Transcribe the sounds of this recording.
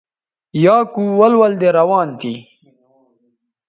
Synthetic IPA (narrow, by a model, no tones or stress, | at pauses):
jɑːkuwɐlwɐld̪eɾɐwɑːnt̪i